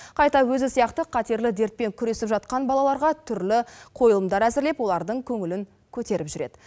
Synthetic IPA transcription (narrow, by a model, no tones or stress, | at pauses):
qʰɑjt̪ɑwɵzɪsijɑqt̪əqʰɑt̪eɾlɪd̪e̞ɾt̪̚pe̞ŋkʲʰʏɾe̞sɪpʒɑt̪̚qɑnbɑlˠɑlˠɑɾʁɑt̪ʰʏɾlɪqʰo̞jəlˠəmd̪ɑɾæzɪɾle̞pwo̞lˠɑɾd̪əɴkʲʰɵŋɪlɪŋ | kʲʰɵt̪e̞ɾɪpʒʏɾe̞d̪̥ɪ